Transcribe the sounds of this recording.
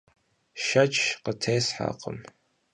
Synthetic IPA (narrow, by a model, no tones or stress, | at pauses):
ʃɐt͡ʃʰqətʰeːsħa̰qəm